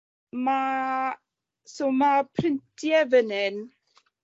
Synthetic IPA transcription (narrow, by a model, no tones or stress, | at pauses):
ma | somapʰrɪntʰjɛvənɛn